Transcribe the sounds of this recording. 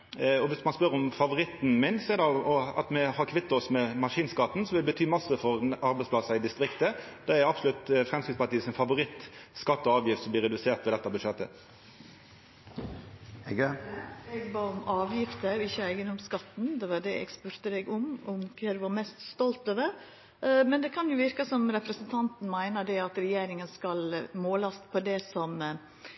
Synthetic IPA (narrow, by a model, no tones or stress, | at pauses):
ɔʋɪsmɑnspœɾɔmfɑʋʊɾɪt̪ːnmɪnsɔɛɾd̪ɛɔɑ̰t̪mɛhɑɾkʰʋɪt̪ːɔsmɛmɑʂiːnskɑt̪ːn̩sɔmʋɪlbət̪ʰyːmɑsːəfɔɾɑɾbɛɪspʰlɑsɑɪd̪ɪst̪ɾɪkt̪əd̪ɛɛɾɑbsɔlʉt̪fɾɛmskɾɪt̪spɑʈ̪iːsɪnfɑʋʊɾɪt̪ːskɑt̪ːɔɑːʋjɪft̪sɔmb̪lɪːɾɛd̪ʉseːʁt̪ʋɛd̪ɛt̪ːɑbəʂɛt̪ːə̰ | ɛɡbɑːɔmɑːʋjɪft̪əɪçːəæɪɡənɔmskɑt̪n̩d̪ɛʋɑɖ̪ɛɛ̰ɡspʉɾt̪əd̪ɛɡʊmʊmkʰɾeːd̪ʉʋɑɾmɛst̪st̪ɔlt̪øːʋəɾ | mɛnd̪ɛkʰɑnjʊʋɪɾkɑsɔmɾɛpɾəsənt̪ʰɑnt̪n̩mæɪnəd̪ɛɑt̪ɾɛjeːɾɪŋənskɑlmoːlɑspʰɔd̪ɛsɔm